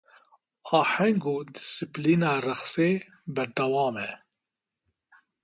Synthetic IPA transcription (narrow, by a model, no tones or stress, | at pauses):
aːħɛŋɡuːd̪ɪsɨpliːnaːrɨxseː | bɛɾd̪ɐwɑːmɛ